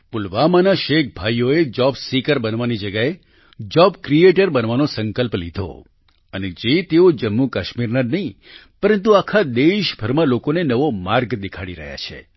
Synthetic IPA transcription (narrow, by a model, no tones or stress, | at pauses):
pulʋamanaʃek̚ʰbʱajjoed͡ʒɔbsikəɾbənʋanid͡ʒəɡae | d͡ʒɔbkɾieʈəɾbənʋanosəŋkəlplḭd̪ʱo̰ | əned͡ʒet̪eod͡ʒəmːukaʃmiɾnanəɦĩ | pəɾə̃nt̪uakʰad̪eʃbʱəɾmãlokonenəʋomaɾɡd̪ikʰaɽiɾə̰ɦja̰t͡ʃʰḛ